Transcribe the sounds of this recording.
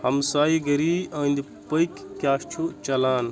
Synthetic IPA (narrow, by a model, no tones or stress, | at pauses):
hɐmsaːiɡɐɾiɐːĩnd̪i | pɐik | kːjaːst͡ʃʰut͡ʃɐlaːn